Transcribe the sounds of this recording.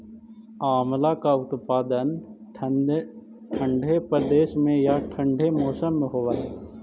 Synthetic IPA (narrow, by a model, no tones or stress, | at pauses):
aːmlakaʊt̪paːd̪ən | ʈʰə̃ɳɖʱepɾəd̪eːʃmẽjaʈʰə̃ɳɖʱemɔːsəmːẽɦoːʋaɦ